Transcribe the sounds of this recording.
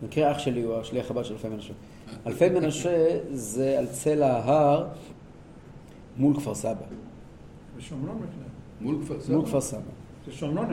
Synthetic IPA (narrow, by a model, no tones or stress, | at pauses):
mikʁeaχʃeliuaʃliaχabad̪ʃelalfejmenaʃe | alfejmenaʃezealt͡selaːɦaʁ | mulkv̥aʁsaba | zeʃomnonbiknemulkvamulkvaʁsaba | zeʃomnon